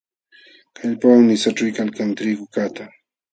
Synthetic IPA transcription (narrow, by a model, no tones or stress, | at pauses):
kʰaʎpawnɪsaʈ͡ʂʊjkalkant̪ɾɪɡʊkat̪a